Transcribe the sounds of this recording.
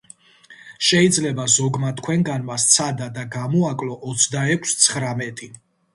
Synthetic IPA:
ʃɛid̪zlɛbazɔɡmat̪ʰkʰwɛŋɡanmast̪sʰad̪ad̪aɡamɔakʼlɔʔɔt̪sʰd̪aɛkʷʰst̪sʰχɾamɛt̪ʼi

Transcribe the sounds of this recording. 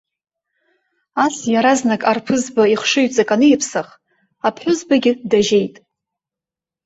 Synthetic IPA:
asjaɾaznakʼarpʰɨzbaiχʷʂɨɥt͡sʼakʼanɨjɪpʰsaχ | apʰħʷʊzbaɡʲɪdaʒe̞jtʼ

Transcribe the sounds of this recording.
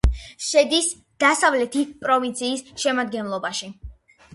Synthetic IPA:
ʃɛd̪is | d̪̥asavlɛt̪ʰitpʼɾɔvint̪sʰiːsʃɛmad̪ɡɛnlˠɔbaʃi

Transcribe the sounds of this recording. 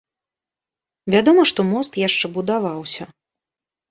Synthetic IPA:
vʲad̪ɔmɐʂt̪ɔmɔst̪jaʂt͡ʂɛbud̪avawsʲɐ

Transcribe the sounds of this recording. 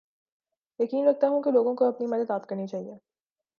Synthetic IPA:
jɐkiːnɾɐk̚t̪aɦũkeloːɡõkoɐpnimɐd̪əd̪aːt̪kɐɾnit͡ʃaːɦieː

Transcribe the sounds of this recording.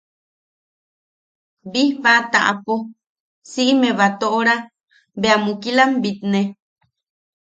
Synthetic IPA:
bihβat̪aʔa̰po | siʔimeβat̪oʔoɾa | beamukilambit̪̚ne

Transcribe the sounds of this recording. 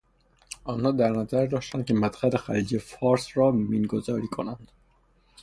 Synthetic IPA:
ʔɒːnhɒːd̪æɾnæzæɾd̪ɒːʃt̪ænd̪̚kʰemæt̪xælexæ̰liːd͡ʒefɒːɾsɾɒːmiːnɡozɒːɾiːkʰonænd̪̥

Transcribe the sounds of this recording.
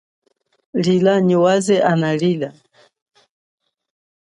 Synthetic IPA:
lilaɲiwazɛʔanalila

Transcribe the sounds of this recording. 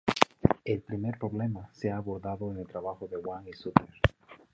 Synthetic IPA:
elpɾime̞ɾpɾo̞βle̞maseaːβoɾðaðoeŋelt̪ɾaβaxoðe̞waŋisupeɾ

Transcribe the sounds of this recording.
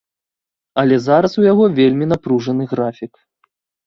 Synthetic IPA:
ɐlʲɛzaɾɐsujaɣɔvʲelʲmʲinapɾuʐɐnɨɣɾafʲik

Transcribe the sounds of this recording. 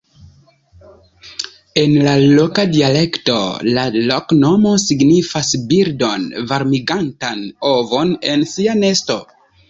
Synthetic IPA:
e̞nlalokadiale̞kto̞̰lalokno̞mo̞siɡnifasbiɾdo̞nvaɾmiɡantano̞vo̞ne̞nsiane̞sto̞

